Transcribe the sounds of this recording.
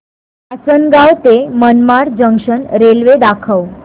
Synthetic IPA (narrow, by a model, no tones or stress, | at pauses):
asənɡawt̪emənmaɾd͡ʑəŋʂənɾelʋed̪akʰəw